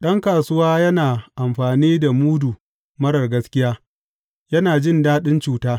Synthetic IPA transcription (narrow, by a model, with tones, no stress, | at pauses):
ɗɐ˦ŋkaː˨sʊ˦waː˦jɐ˦naː˨ʔa˨mɸaː˨niː˦da˨muː˦du˨ | mɐ˦ɽɐ˨rɡɐ˦skʲɪ˦jaː˦ | jɐ˦naː˨d͡ʒɪ˦ndaː˦ɗɪ˦nt͡ʃuː˦taː˦